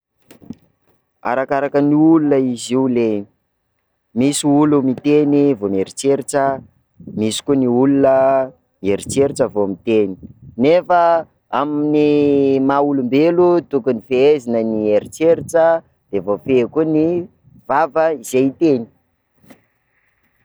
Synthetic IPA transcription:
a̰ɾakaɾakəniulunəiziule | misiulumit̪enivomeɾit͡seɾiʈ͡ʂə | misi̥kuniulunə | mieɾit͡seɾiʈ͡ʂəvomit̪eni̥nefə | aminimaulumbelut̪ukunifeezinənieɾit͡seɾiʈ͡ʂə | d̪̥evofekuni | v̥avəizejt̪eni̥

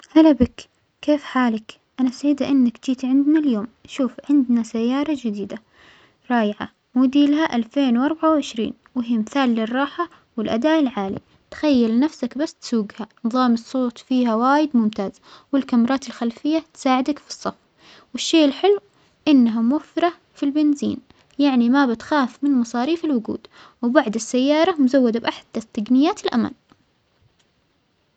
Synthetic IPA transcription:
halabɪk | keːfħaːlak | ʔanasaʕiːd̪aʔɪnːakd͡ʒiːt̪ʕɪnd̪naljoːmʃuːfʕɪnd̪nasajːɑːɾˤɑd͡ʒɪd̪iːd̪a | ɾˤɑːjʕa̰ | muːd̪iːlahaʔalfeːnwʔɑɾˤbaʕawʕɪʃɾḭːn | wɪɦiːmɪθaːlːɪrˤːɑːħa | wɪlʔad̪aːʔɪlʕaːlḭ | t̪xajːalnafsakbasːt̪suːɡhanɨðˤɑːmɨsˤːoːt̪ˤfiːhawaːjɪd̪mʊmt̪aːz | wɪlkamɾˤɑːt̪ɪlxalfɪjːat̪saːʕɪd̪akfi̥sˤːɑf | wɪʃːeːʔɪlħɪlːw | ʔɪnːaɦamʊwafːɪɾˤɑ | filbɪnzḭːn | jaʕnimabɪt̪xaːfmɪnmɑsˤɑːɾiːfɪlwʊɡṵːd̪ | wɪbaʕd̪ɪsːajːɑːɾˤɑmʊzawːad̪abʔaħd̪at̪ːaɡnɪjːaːt̪ɪlʔa̰ma̰n

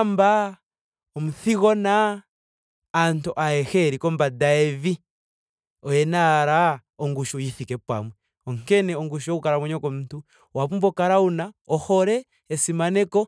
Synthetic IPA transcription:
mba | ɔmuθiɣɔna | ntuʔaɛxɛɾikɔmbadaɛvi | ɔjɛnaɾaɔŋɡuʃujiθikɛpa̰mwɛ | ɔŋkɛnɛɔŋɡuʃujokukaɾamwɛɲɔkɔmuntu | waβumbɔkaɾaunaɔhɔɾɛː | simanɛkɔ

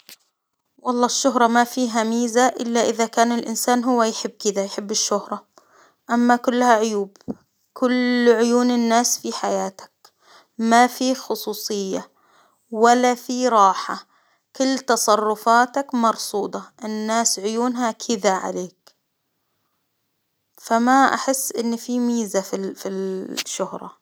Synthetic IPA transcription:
wɑlˤːɑːʃːʊɦɾˤɑmafiːɦamiːzaʔɪlːaʔɪðakaːnɪlʔɪnsaːnɦʊwːajħɪbːkɪðajħɪbːɪʃːʊhɾˤɑ | ʔamːakʊlːhaʕʊjuːb | kʊlʕʊjuːnɪnːaːsfiħajaːt̪ḁk̚ | mafixʊsˤuːsˤɨjːa | walːafiɾˤɑːħa | kʊlːt̪ɑsˤɑrˤːʊfaːt̪akmɑɾˤsˤuːd̪ˤɑʔɪnːaːsʕʊjuːnɦakʰɪðaʕa̰leːk | famaʔa̰ħɪsːʔɪnːfimiːzafifiʃːʊhɾˤɑ̰

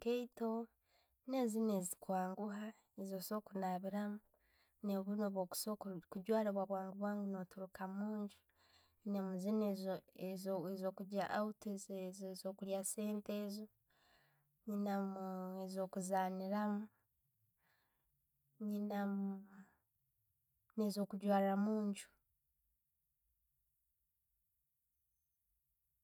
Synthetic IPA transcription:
keito | ne̞zineːzikwaːŋɡuɦa | ezoso̞ːkunaβiɾamu | neβunoβoku̥sokuɟwaːɾeβwaβwaːŋɡuβwaːŋɡuno̞tuɾukamuːɲɟu̥ | nemuzinezezezo̞ːkuɟaʔautezzzoːkuɾjase̞ːnte̞ːzo | ɲinamuezo̞ːkuzaːniɾamu | ɲinam | nezo̞ːkuɟwaːlamuːɲɟu̥

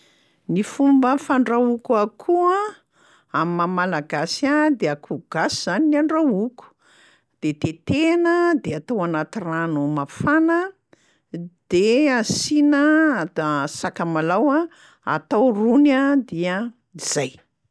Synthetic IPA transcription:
nifumbəfaɳɖ͡ʐawukuakʰua | amimamalaɡasad̪eakʰuɡ̥asiz̥aninaɳɖ͡ʐawuku̥ | d̪̥et̪et̪enəd̪eat̪awanat̪iranumafanə | d̪̥easinəd̪asakamalawa | a̰t̪awrunad̪iə | iz̥aj

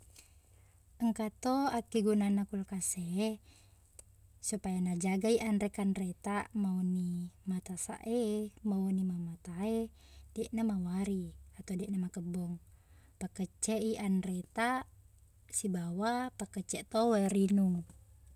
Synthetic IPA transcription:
əŋkat̪oakiɡunanakulkase | supajanad͡ʒaɡaiʔanɾɛkanret̪amaunimat̪asa̰ʔemaonimamat̪ae | dɛʔnamawaɾiat̪odɛʔnamakəbɔŋ | pakət͡ʃɛʔiʔanrɛt̪a | sibawapakət͡ʃɛt̪oweɾinuŋ

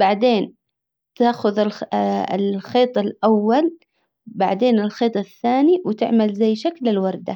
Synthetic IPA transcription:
b̥aʕd̪eːn | t̪aːxʊðɪlɪ̰lxeːt̪ˤɪlʔawːal | baʕd̪eːnɪlxeːt̪ˤɪθːaːniwɪt̪ɪ̰ʕmalzajːʃaklɪlwɑɾˤd̪a

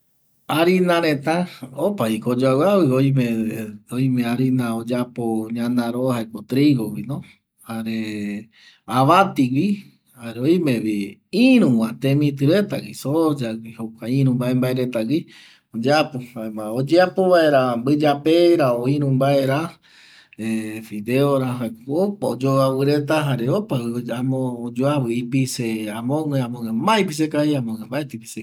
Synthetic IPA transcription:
aɾinãɾẽt̪aopaikod͡ʒawawiojmẽojmẽaɾinãod͡ʒapoɲãnãɾohaekot̪ɾiɣowinõ | haɾe | aβat̪iɡi | haɾeojmẽβiĩɾũwãt̪ẽmĩt̪ɨɾet̪a̰ɡisod͡ʒaɡihokʷaĩɾũmbaẽmbaeɾet̪aɡi | od͡ʒapoamaod͡ʒeapoβaeɾambɨd͡ʒapeɾaoiɾũmbaeɾa | efid̪eoɾaɦaopaod͡ʒoawɨɾet̪̬aɦaɾeopawiamõd͡ʒoaβɨipiseamõŋẽãmõŋẽmbaipis̬ekahiamõŋẽmbaet̪ipi̥se

